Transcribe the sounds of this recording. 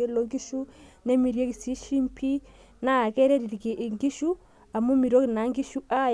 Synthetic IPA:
e˦lo˦ŋɡi˦ʃu˦ne˦mi˨ɾje˦ki˨si˦ʃi˦mpʰi˦ | na˦˨kɛ˦ɾe˦ɾi˨ɾi˨ki˨ʔi˨ŋɡi˦ʃu˦ | a˨mu˦mi˨ɾo˦kna˨˦ŋɡi˦ʃu˦ʔa˦

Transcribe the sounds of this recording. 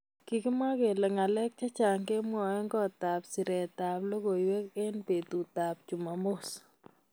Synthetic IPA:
ki˨kɪ˦ma˦ke˨lɛ˨ŋa˨lɛ˦k̚t͡ʃa˦t͡ʃa˨ŋke˦mwɔ˨ɛ˦ŋɡɔ˦ta˨psi˨ɾɛ˨t̪a˨plo˦ko˨jwɛ˦ke˦npe˨t̪u˨t̪a˨p̚t͡ʃu˨ma˨mʊ˦s

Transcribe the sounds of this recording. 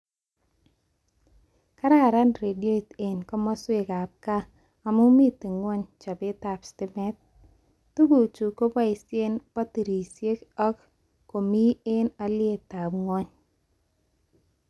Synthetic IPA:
ka˦ɾa˦˨ɾa˦nɾe˨di˦o˦˨te˨nkɔ˦mɔ˦swɪ˦˨ka˨p̚ka˦ | a˨mʊ˦mi˦t̪e˨ŋwɔ˦ɲt͡ʃa˨bɪ˦ta˨pstɪ˦mɛ˦t̪̚ː | u˦ɡo˨t͡ʃu˨ko˦ba˦i˨sje˦npa˦ti˨ɾi˨sje˦kɔ˦k | kːo˨mi˦e˦na˦lɪ˦e˦ta˨bŋwɔ˦ɲ

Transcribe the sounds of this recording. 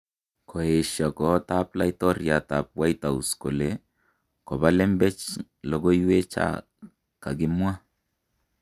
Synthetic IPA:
kʰo˨e˨ʃa˨kɔ˨˦ta˦pla˦i˦tɔ˦ɾja˨ta˨p̚wa˦jta˨u˨sko˨le˨˦ | kɔ˨ba˦lɛ˦mbɛ˦t͡ʃ | lo˨ɡo˦jwe˦t͡ʃa̰˦˨ | ka̰˨ɡɪ˦mwa˦

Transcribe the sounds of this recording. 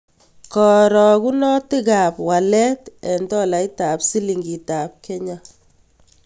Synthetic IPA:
kɔ˨ɾɔ˨ku˦nɔ˦ti˦ka˨pwa˨lɛ˦tɛ˨ntɔ˦la˨jta˨psi˦li˨ŋɡi˨ta˨p̚kɛ˦ɲa˦

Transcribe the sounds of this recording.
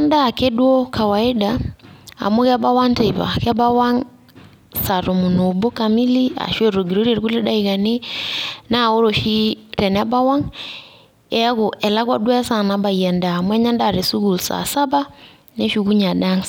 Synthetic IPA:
ndaː˦˨ke˦dwɔ˦ka˨wa˨e˦daa̰˨mo˦ɣɛ˦a˦ba˦wa˦ŋte˨βa̰ka˦ba˦wa˦ŋ | sa˨ɾo˨mu˨no˨bo˦kami˦li˦a̰˨ʃwe˦ɾo˨ɡiɾo˦ɾie˨ɾku˦le˦da˦iɣane | na˦o˦ɾo˨ʃi˦ɾɛ˨na˦ba˦wa˦ŋ | e˦a˦ɣo˨ʔɛ˨la˦ɣwa˦dwa˦sa˨naba˨iɛ˨ndaː˨mwɛ˦ɲa˦ndaː˨ɾe˨su˦ɣu˨lsa̰saba | ne˦ʃuɣu˦ɲa˨da˦ŋs

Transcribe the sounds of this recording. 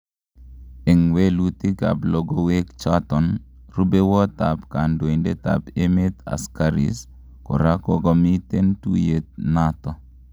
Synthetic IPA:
e˨ŋwe˦lu˦t̪i˦ɡa̰˨blɔ˦ɡɔ˦we˦kt͡ʃat̪ɔ˨n | ɾu˦be˦wɔ˦t̪a˨pka˨ndwo˨i˨nde˦t̪a̰˨pe˦me˦t̪a̰˨skaɾḭs | kɔ̰˨ɾa˦kɔɡɔ˦mi˦t̪e˦ntṵ˦je˨t̪̚nat̪ɔ˨

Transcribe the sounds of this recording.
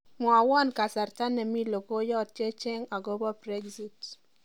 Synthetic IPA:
mwa˨wɔ˦nka˨sa˨ɾta˦nɛ˨mi˦lo˨ko˦jɔ˦tt͡ʃe˦t͡ʃe˦ŋa˨ɡo˦bɔ˦bɾɛ˦ɡzi˨t

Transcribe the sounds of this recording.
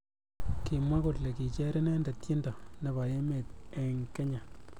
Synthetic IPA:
ki˨mwa˦kʊ˨tle˨ki˨t͡ʃɛ˦ɾɛ˦nɛ˦nda˨tji˦ndɔ˨ne˨ba˨je˦me˨t̚ɛ˨ŋkɛ˦ɲa˨

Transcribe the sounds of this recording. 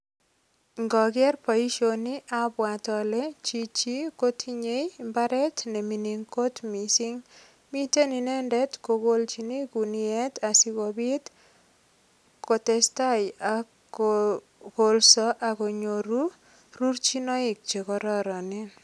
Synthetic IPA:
ŋɡɔ˨ɡɛ˦rpɔ˨i˦ʃo˨ni˦ʔa˨bwa˨tɔ˨lɛ˦t͡ʃi˨t͡ʃi˦ko˦tʰi˦ɲe˦jmba˦ɾɛ˦tne˨mi˨ni˨ŋko˦tmi˨si˦ŋ | mi˦te˦ni˨nɛ˦ndɛ˦tko˨ɡo˦lt͡ʃi˨ni˦ku˨ni˦ɛ˦ta˨si˦ɡo˨bi˦t | ko˨tɛ˨sta˦ja | ɡo˨lsɔ˦ʔa˨ko˨ɲo˨ɾu˦ | ɾu˦ɾt͡ʃi˦nɔ˦ɪ˨k̚t͡ʃe˨kɔ˨ɾɔ˦ɾɔ˨nɪ˦

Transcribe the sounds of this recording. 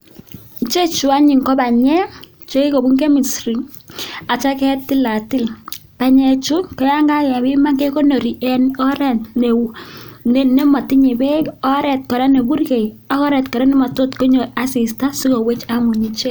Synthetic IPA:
nt͡ʃe˦t͡ʃʊ˨a˦ɲi˨ŋkɔ˦ba˨ɲɛ˦ | t͡ʃo˦i˦ko˨bu˦ŋɡe˦mi˨sri˨ŋa˨t͡ʃa˦kɛ˦tɪ˦la˨tɪ˦lpa˨ɲɛ˨t͡ʃu˦kɔ˦ja˦ŋɡa˦ja˨bi˦ma˦ŋɡe˦ko˦no˨ɾi˨ʔɛ˨nɔ˦ɾɛ˨ntne˨wu˨ne˦ne˦mɔ˨tɪ˦ɲe˨be˦ɔ˦ɾɛ˨t̚kɔ˨ɾɛ˦ne˨bu˦rke˨j | a˨˦kɔ˦ɾɛ˨tkɔ˨ɾɛ˦ne˦mɔ˨to˦tko˦ɲo˨a˦si˨sta˦si˦ko˨we˦t͡ʃa˦mu˨ɲi˨t͡ʃe˦

